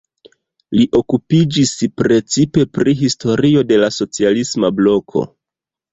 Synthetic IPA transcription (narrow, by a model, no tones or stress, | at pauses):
liʔo̞kupid͡ʒispɾe̞t͡sipe̞pɾiɦisto̞ɾio̞de̞laso̞t͡sialismablo̞kʰo̞̰